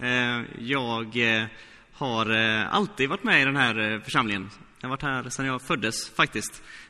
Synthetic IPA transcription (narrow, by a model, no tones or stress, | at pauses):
jɑːɡ | haɾa̰lt̪iːd̪vaʈːmɛɪd̪ɛnɦæːɾfœʂamlɪŋən | jvaʈːhæːɾsɛmjɑːɡfœd̪ːəsfak̚t̪ɪskt̪